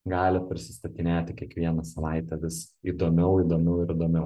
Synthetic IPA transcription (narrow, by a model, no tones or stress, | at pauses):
ɡɑːlʲɪpʲɾʲɪsʲɪst̪ɐt̪ʲɪnʲeːt̪ʲɪkʲiɛkʋʲiɛnɐsɐʋɑɪt̪ʲɛʋʲɪs | id̪oːmʲɛʊid̪oːmʲɛʊɪɾɪd̪oːmʲɛʊ